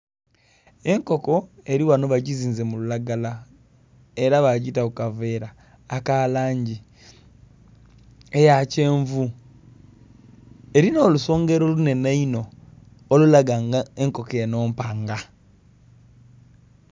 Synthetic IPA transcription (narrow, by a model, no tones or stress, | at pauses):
e̞ŋko̞ko̞e̞ɾiwanoβaɟiziːnze̞mululaɡala | eɾaβaɟitakukave̞ːɾaː | kalaːɲɟi | ejace̞ːɱvu | e̞ɾino̞ːluso̞ːŋɡe̞ɾolune̞naino̞ː | lulaɡaŋɡaeŋko̞keeno̞ːmpaŋɡa